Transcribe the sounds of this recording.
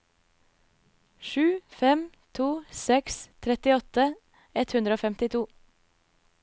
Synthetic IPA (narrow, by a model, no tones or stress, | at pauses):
ʃʉːfɛm | t̪ʰuːsɛkst̪ʰɾɛt̪ɪɔt̪ə | ɛt̪hʉnd̪ɾəoːfɛmt̪ɪt̪ʰuː